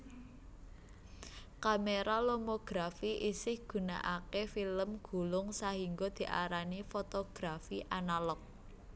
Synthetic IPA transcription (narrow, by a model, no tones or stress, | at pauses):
kameɾalomoɡ̥ɾafiʔisɪhɡ̥ṳna̰ʔakefiləmɡ̥ṳlʊŋsahiŋɡɔd̪̥i̤ʔa̰ɾanifot̪oɡ̥ɾafiʔanalɔk̚